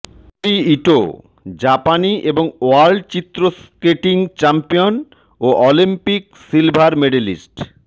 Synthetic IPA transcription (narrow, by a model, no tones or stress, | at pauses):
ʈiiʈo̰ | d͡ʑapaniʔeboŋoalɖt͡ɕit̪ːɾoskeʈiŋt͡ɕampijon | oʔɔlimpik̚ | silbʱaɾmeɖelḭsʈ